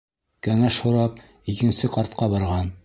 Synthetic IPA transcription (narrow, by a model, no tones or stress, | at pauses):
kæŋæʃhŏɾɑp̚ | ikɘ̆nsɘqɑɾt̪̚qɑbɑɾʁɑn